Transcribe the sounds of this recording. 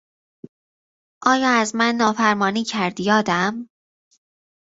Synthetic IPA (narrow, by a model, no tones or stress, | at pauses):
ʔɒːjɒːæzmænːɒːfæɾmɒːniːcʰæɾd̪jɒːd̪æm